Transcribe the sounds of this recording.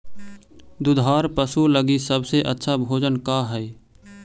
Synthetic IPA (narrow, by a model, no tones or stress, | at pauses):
d̪ʊd̪ʱaːɾpəsuləɡisəbseʔətːʃʰabʱoːd͡ʒənkaɦɛe